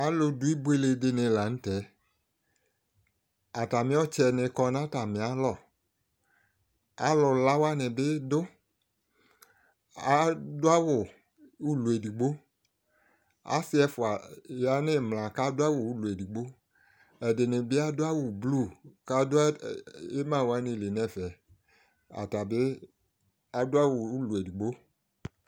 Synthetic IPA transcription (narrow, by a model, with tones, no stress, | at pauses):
a˦lʊ˧dʊ˦i˦bo˦e˦le˨dɪ˧nɪ̃˨la˨ŋ̩˦tɛ˨˦ | a˨ta˨mɪ̃˦ɔ˦t͡ʃɛ˨nɪ˨kɔ˧n˦ã˦ta˨mɪ̃˨a˨˦lɔ˨ | a˦lʊ˨la˦wa˦nɪ̃˨bɪ˦dʊ˦ | a˦dʊ˦a˦wʊ˨ | u˦lu˨e˨di˨ɡ͡bo˦ | a̰˦sɪ˦ɛ˦fʊ˨a˨ja˨˦nɪ˦mlã˨ka˦dʊ˦a˦wʊ˨u˦lu˨ɛ˨di˨ɡ͡bo˦ | ɛ˨dɪ˨nɪ˨bɪ˦a˦dʊ˦a˦wʊ˨blu˦˨ka˦dʊ˦a˦e˦mã˦˨wa˦nɪ̃˨le˨nɛ̃˦˨vɛ˨ | a̰˨ta˨bɪ˦ | a˨dʊ˦a˦wʊ˨u˦lu˨ɛ˨di˨ɡ͡bo˦